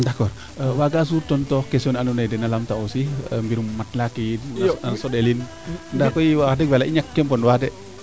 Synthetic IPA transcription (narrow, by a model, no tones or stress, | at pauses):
dakɔr | əwaɡas̬urt̪ɔnt̪ɔhkesiɔnanunajdɛnalamt̪aosihəmbiɾumːat̪lakisɔdelin | ndakɔiwadɛk̚walaʔiɲak̚tɛmpɔnwadɛʔ